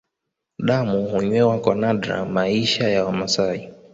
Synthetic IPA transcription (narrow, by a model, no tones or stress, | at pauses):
ɗamuhuɲwɛwakɔnaɗɾa̰maiʃajawamasai